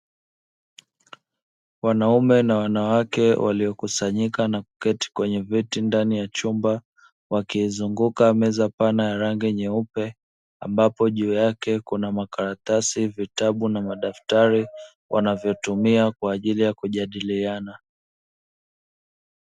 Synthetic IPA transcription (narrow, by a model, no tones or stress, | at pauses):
wanaumɛnawanawakɛwʔa̰liɔkusaɲikanakukɛti̥kwɛɲɛvitindanijat͡ʃumba | wakiːzuŋɡukamɛzapanajaɾaŋɡiɲɛupɛ | a̰mbapɔʄuːjakɛkunamakaɾat̪asivitaɓunamaɗaftaɾi | wʔanavjɔtumiakwaːʄilijakuʄaɗiliana